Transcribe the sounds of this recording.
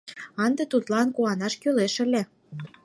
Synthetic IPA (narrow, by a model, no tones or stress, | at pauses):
ɑnd̪et̪ut̪lɑnkuɑnɑʃkøleʃə̆lʲe